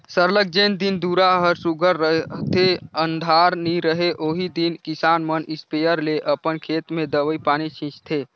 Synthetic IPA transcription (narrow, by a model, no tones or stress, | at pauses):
səɾlək̚d͡ʒeːnd̪ind̪uːɾaɦəɾsuɡʱəɾːəɦt̪ʰeə̃nd̪ʱaːɾniɾəɦeʔoːɦid̪inkɪsaːnmənɪspejəɾleʔəpənkʰeːt̪mẽd̪əʋəipaːnit͡ʃʰĩt͡ʃt̪ʰe